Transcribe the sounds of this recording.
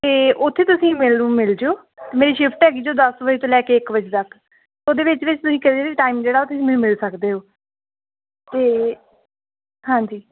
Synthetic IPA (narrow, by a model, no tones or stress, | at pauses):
t̪eːʔʊt̪ʰːeːt̪ʊsĩːmɪlnũːmɪld͡ʒeoː | t̪eːmeːɾiːʃɪpʰʈɦɛːɡiːd͡ʒoːd̪əsʋəd͡ʒt̪õːlɛːkeːɪkʋəd͡ʒt̪ək | oːd̪eːʋɪt͡ʃʋɪt͡ʃt̪ʊsĩːkəɾieːiʈaːiːmd͡ʒeːɽaːot̪ʰːɪsĩmɛːnũmɪlsəkd̪eːɦoː | t̪eː | ɦãːɲd͡ʒiː